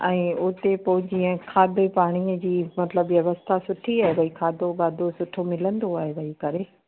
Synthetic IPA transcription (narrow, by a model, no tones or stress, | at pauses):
ɛ̃ːʊt̪epod͡ʑiːə̃kʰaːd̪epaːɽ̃id͡ʑiːmɐt̪ləbʋjɐʋəst̪ʰasʊʈʰiaːɦeʋɐikʰaːd̪obaːd̪osʊʈʰomɪlə̃nd̪oaːɦeʋɐɦikɐɾe